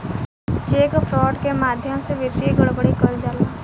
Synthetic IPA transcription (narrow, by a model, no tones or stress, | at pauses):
t͡ʃeːkpʰɾɔːɖkemaːd̪ʱjəmseʋesiɡəɽbəɽikəɾd͡ʒaːlaː